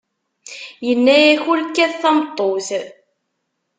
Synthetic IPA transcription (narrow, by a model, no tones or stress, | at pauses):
jənːæjæçulkːæðθɑmt̪ˤːoθ